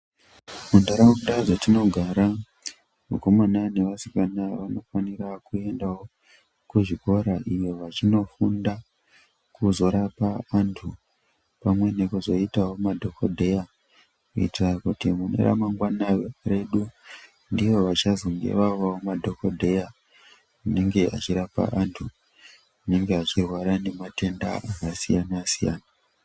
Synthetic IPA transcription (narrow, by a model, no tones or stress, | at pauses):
mundaɾawokuɗazatino̞ɡʱaɾa | muko̞manane̞ʋasi̥kanaʋano̞fanirakue̞ndawo̞ | kuʐiko̞ɾaʔijo̞ʋat͡ʃino̞funda | kuzo̞ɾapaːntʰu | pamwe̞ne̞kuzo̞itawo̞madʱo̞kodʱe̞ja | kuḭtrakutimune̞̰ɾa̰maŋɡwanare̞ɗu | ndiʋo̞ʋat͡ʃazoŋɡe̞̰ʋaʋawomadʱo̞ko̞dʱe̞ja | une̞ŋɡe̞ʔa̰t͡ʃiɾapa̰ʔantʰu | une̞ŋɡeat͡ʃirwaɾane̞mate̞nda̰ʔakasijanasija̰ːna